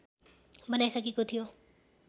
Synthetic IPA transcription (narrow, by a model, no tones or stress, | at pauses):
bʌnajsʌkekot̪ʰijo